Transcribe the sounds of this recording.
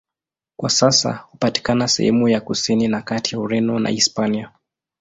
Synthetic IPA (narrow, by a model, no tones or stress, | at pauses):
kwasasa̰hupati̥kanasɛ̰hɛmujakusininakatijauɾɛnɔna̰ispania